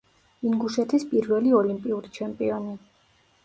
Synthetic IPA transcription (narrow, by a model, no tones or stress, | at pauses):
iŋɡuʃɛt̪ʰispʼiɾvɛliɔlimpʼiuɾit͡ʃʰɛmpʼiɔni